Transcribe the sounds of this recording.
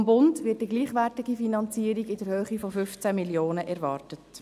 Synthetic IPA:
mbʊndʋɪt̚ːiɡliːχʋɛrtɪɡifinɑnt͡siːəɾiɡɪdɛɾhøːχifɔfʏft͡sæmiljoːnəʔɛɾʋɑːrtət

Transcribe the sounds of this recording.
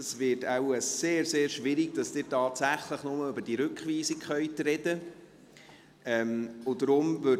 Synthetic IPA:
əsvɪtawəːeːɾseːɾʃʋɪɾiɡ̚d̥ɑsd̥ɪːɾtɑːtsæχləχnʊməøbəd̥iːɾʏkχʋiːsikχœʏtɾɛd̥ə | ʔɛmʊdəɾʊmvø

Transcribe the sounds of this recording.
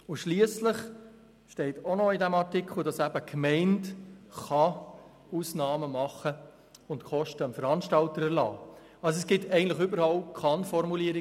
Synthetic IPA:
ʊʃliəsləχ | ʃtɛɪtonɔidæmɑɾtɪkχl̩ˠd̥ɑsæb̥əkʰmɛɪntχɑ | uːsnɑːməmɑχə | ʊntkʰɔʃtəəmfəɾɑnʃtɑltəɾɛɾlɑ̰ː | ɑlsoɛsɡ̥ɪtɛɪɡən̩tləχʏbəɾhɑlkʰɑnfɔɾmuliəɾɪ

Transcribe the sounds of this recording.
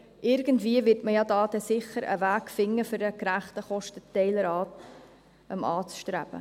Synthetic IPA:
ʔɪɾɡəntviəvɪɾtməjɑdɑːdɛsɪχəɾə̰væːkfɪŋːəfʏɾdəkɾæχtəχɔʃtətɛɪləɾɑːt | ʔəmɑːt͡sʃtɾæb̥ə̰

